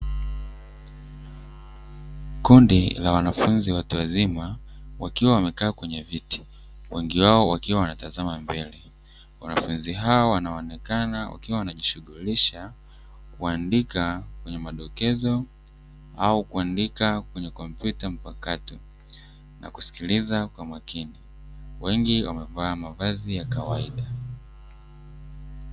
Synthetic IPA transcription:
kundilawanafunziwatuwazimawakiwawamɛkaːkwɛɲɛviti̥ | wɛŋɡiwaɔwakiwawanatazamambɛlɛ | wanafunziɦaɔwanaɔnɛkanawa̰kiwawanaʄiʃuɠuliʃa | kuandikakwɛɲɛmaɗɔkɛzɔ | aukuandikakwɛɲɛkɔmpjutam̩pakatu | na̰ku̥si̥kilizakwamakini | wɛŋɡiwamɛvaːmavazijakawa̰iɗa

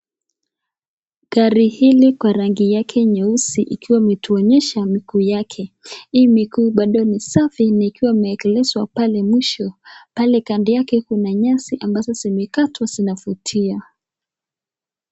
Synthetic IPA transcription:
ɡ̥aɾihilikwaɾaŋɡijakʰɛɲausiʔḭkiwamɛtʰuɔɲɛʃamikuːjakʰɛimikuːɓaɗɔnisafinaikiwaimɛːkɛlɛzwapalɛmwiʃɔpalɛkandijakɛkunaɲasiʔambazɔsimɛkatwazinafutʰia

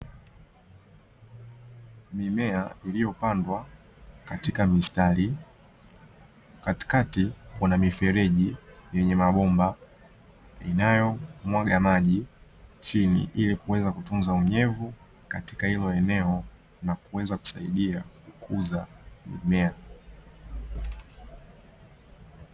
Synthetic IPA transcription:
mimɛailijɔpandwa | katikamistali | kati̥katikɔnamifɛɾɛʄijɛɲɛmaɓɔmba | inajɔmwaɠamaʄi | t͡ʃinḭʔilikuwɛzakutunzauɲɛvu | kati̥kahilɔɛnɛɔ | nakuwɛzaku̥saiɗiakukʰuzamḭmɛa

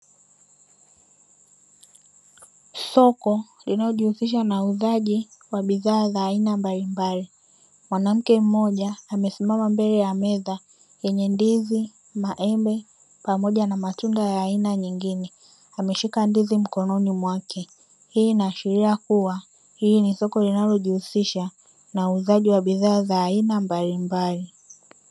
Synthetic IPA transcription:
sɔkɔlinalɔʄihusiʃ̬anauzaʄiwaɓiðaːzaːinambalimbali | mwanam̩kɛm̩mɔʄaːmɛsimamambɛlɛjamɛða | jɛɲɛndizi | maʔɛmbɛ | pamɔʄanamatundajaːinaɲiŋɡinɛ | amɛʃikandizim̩kɔnɔnimwakɛ | hiːnaːʃiɾiakuwa | hinisɔkɔlinalɔʄihusiʃa | nauːzaʄiwaɓiðaːzaːinambalimbali

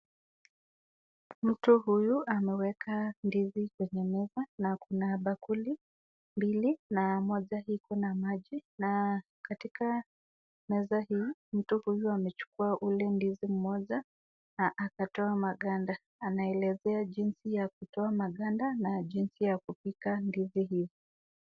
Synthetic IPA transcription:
m̩tuɦujuʔamɛwɛkʰandizikwɛɲɛmɛzanakunaɓakuli | mbilinamɔʄahikɔnamaʄina | katika | mɛzahim̩tuhujuamɛt͡ʃu̥kuaʔulɛndizim̩mɔʄa | aʔːkatɔamaɠandaː | naɛlɛzɛaʄinsijakutɔamaɠandanaʄinsijakupikandiziɦivi

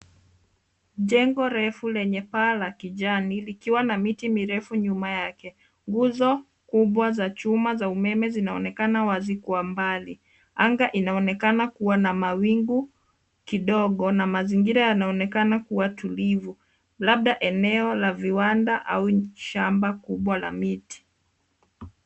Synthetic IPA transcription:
ʄɛŋɡɔɾɛfulɛɲɛpaːlakiʄanilikiwanamitimiɾɛfuɲumajakɛ | ŋɡuzɔ | kuɓwazat͡ʃumazaumɛmɛzinaɔnɛkanawazikuwambali | aŋɡaʔinaɔnɛkanakuwanamawiŋɡu | kiɗɔɠɔnamaziŋɡiɾajanaɔnɛkanakuwatulivu | laɓ̚ɗaʔɛnɛɔlaviwandaʔa̰uʃambakuɓwala̰miti̥

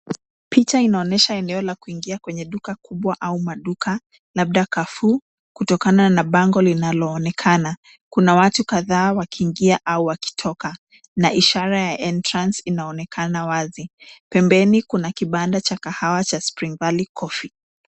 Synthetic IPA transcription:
pit͡ʃainaɔnɛʃaɛnɛɔlakuiŋɡiakwɛɲɛɗukakʰuɓwaʔaumaɗuka | laɓ̚ɗakafu | kutɔkananaɓaŋɡɔlinalɔːnɛkʰana | kunawatukaðaːwakʰiːŋɡiaʔauwaki̥tʰɔka | naʔiʃaɾajaʔɛntɾansinaɔnɛkʰanawazipɛmbɛnikunakiɓandat͡ʃakahawat͡ʃaspɾiŋɡalikʰɔfi

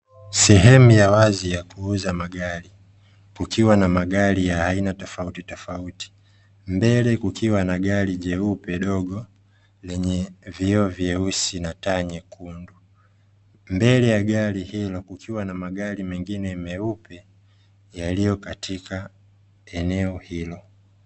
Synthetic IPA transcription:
sɛɦɛmujawazijakuuzamaɠaɾi | kukiwanamaɠaɾijahainatɔfautitɔfauti̥ | mbɛlɛkukiwanaɠaɾiʄɛupɛɗɔɠɔ | lɛɲɛviɔvjɛusinataɲɛkʰundu | mbɛlɛjaɠaɾihilɔkukʰiwanamaɠaɾimɛŋɡinɛmɛupɛ | jalijɔkatʰika | ɛnɛɔhilɔ

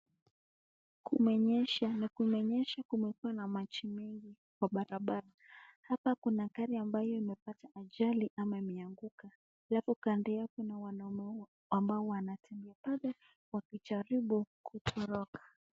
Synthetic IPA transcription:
kumɛɲɛʃanakumɛɲɛʃakumɛkuwanamat͡ʃimɛŋɡi | kwaɓaɾaɓaɾahapakunakaɾiambajɔimɛpataʔaʄaliʔamaimɛaŋɡuka | alafukandɛjakɛnawana | ambaɔwanatʰɛmbiapalɛ | wakit͡ʃaɾiɓukʰutʰɔɾɔkḁ

